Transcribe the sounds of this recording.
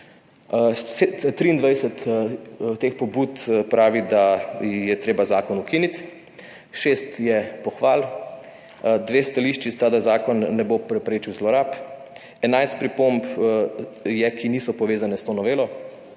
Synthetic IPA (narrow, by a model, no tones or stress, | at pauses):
set̪t̪ɾiːnd̪ʋajsɛt̪ | t̪eːxpɔbuːt̪pɾaːʋid̪ajɛt̪ɾeːbazaːkɔnukiːnit̪ | ʃeːst̪jɛpɔxʋaːl | d̪ʋeːst̪aliʃt͡ʃist̪aːd̪azaːkɔnːɛbopɾɛpɾeːt͡ʃiwzlɔɾaːp | ɛnajst̪̚pɾipomp | jɛkiniːsɔpɔʋeːzanɛst̪oːnɔʋeːlɔ